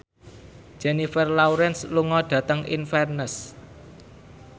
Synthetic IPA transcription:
d͡ʒ̥ɛnifərlawɾɛnsluŋɔɖ̥ä̤t̪əŋḭnfɛrnəs

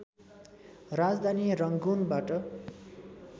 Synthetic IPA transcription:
rad͡zd̪ʱanirʌŋɡunbaʈʌ

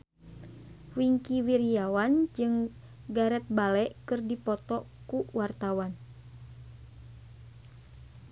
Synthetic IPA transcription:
wiŋkiwiɾiawand͡ʒɨŋ | ɡaɾɛt̪̚balɛʔkɨrdipɔt̪ɔ | kuwart̪awan

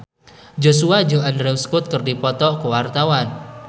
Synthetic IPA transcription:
d͡ʒosuad͡ʒoandɾɛwskʊt̪̚kɨrdipɔt̪ɔkuwart̪awan

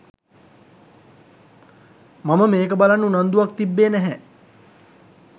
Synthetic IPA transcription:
maməmeːkəbalanːunand̪uʋak̚t̪ibːeːnɛɦɛ

